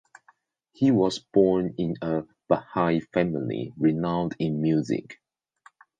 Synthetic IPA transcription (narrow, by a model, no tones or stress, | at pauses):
hiwɔzb̥ɔnɪ̃nə | b̥əhaɪfæmɪlḭɹinãʊ̃ndɪ̃nmjuzɪ̰k